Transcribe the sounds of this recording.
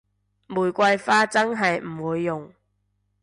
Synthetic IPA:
muː˨˩jkʷɐ˧jfaː˥t͡sɐ˥ŋɦɐ˨jm̩˨˩wuː˨˧jːʊ˨ŋ

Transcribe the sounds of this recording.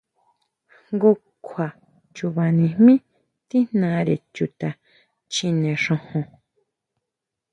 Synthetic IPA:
ŋɡu˧ | kʰwa˨ | t͡ʃu˧βa˨nĩ˧hmĩ˦ | t̪i˦nnã˧˦˧ɾe˨t͡ʃu˧˨t̪a˨ | t͡ʃĩ˧nẽ˨ʂõ˧hõ˧

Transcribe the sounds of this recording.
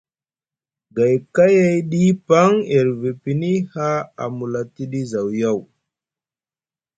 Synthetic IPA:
ɡa˨jka˦ja˦jɗi˦pa˦ŋe˨ɾve˨pi˨ni˦ha˦a̰˨mu˨la˨ti˦ɗi˦za˨wja˦˨w

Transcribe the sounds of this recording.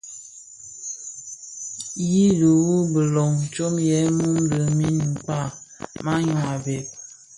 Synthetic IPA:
ji˦du˨wu˦bə˨lɔ˨ŋ˨t͡ʃo˦mjɛ˨˦mu˦n̩˦də˨mi˦ni˨k͡pa˦˨ma˦ɲwa˨bɛ˨k̚

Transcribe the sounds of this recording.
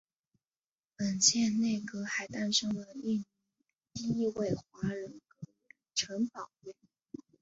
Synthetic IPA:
pə˨˩nt͡ɕʰjɛ˥˧nne˥˩ɪkɤ˥xa˧˥ɪt̪a˥˧nʂɤ˥ŋlə˨i˥˩n˧˥ | t̪i˥i˥˧we˥˩ɪxwa˧˥ɻə˧˥nkɤ˧˥ | ʈ͡ʂʰɤ˧˥ŋpɑ˨˩ʊɥɛ˥˩

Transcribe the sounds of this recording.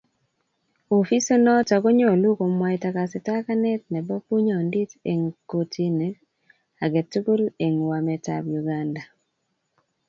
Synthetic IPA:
o˨fi˦se˦nɔ˦ta˨ko˦ɲɔ˦˨lu˦ko˨mwa˨jta˨ka˨sɪ˨ta˦ka˦nɛ˦t̚nɛ˨bɔ˦pu˦ɲɔ˨ndi˦te˨ŋko˨tʰi˦ne˦ | a˨ɡɛ˨tu˦ɡu˦le˨ŋwa˨mɛ˨ta̰bju˨ɡanda˨

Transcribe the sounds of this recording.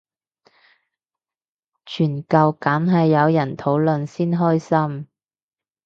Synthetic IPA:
t͡ʃʰyː˨˩nkɐ˨˧wkaː˨˥nɦɐ˨jːɐ˨˧wjɐ˨˩nt̪ʰo˨˥wlɵ˨nsiː˥nɦɔː˥jsɐ˥m

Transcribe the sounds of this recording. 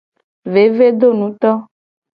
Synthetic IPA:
ve˨˦ve˦d̪o˦nũ˨˦t̪ɔ˦

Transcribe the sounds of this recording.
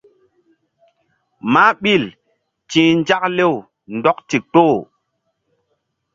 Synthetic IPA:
ma˦ɓi˦˨l | t͡ʃĩ˨˦n˦d͡ʒa˦k̚le˦˨w | ndɔ˦k̚ti˨k͡po˦˨

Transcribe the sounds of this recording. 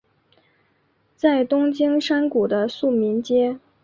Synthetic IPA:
t͡sa˥˩ɪt̪ʊ˥ŋt͡ɕi˥ŋʂa˥nku˨˩d̪ə˦su˥˩mi˧˥nt͡ɕjɛ˥

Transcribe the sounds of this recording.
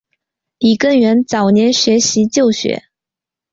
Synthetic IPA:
li˨˩kə˥˩nɥɛ˧˥nt͡sɑ˨˩ʊnjɛ˧˥nɕɥɛ˧˥ɕi˧˥t͡ɕjo˥˩ʊɕɥɛ̰˧˥

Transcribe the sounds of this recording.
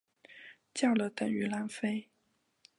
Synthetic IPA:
t͡ɕjɑ˥˩ʊlə˨t̪ə˨˩ŋy˧˥la˧˥nfe˥ɪ

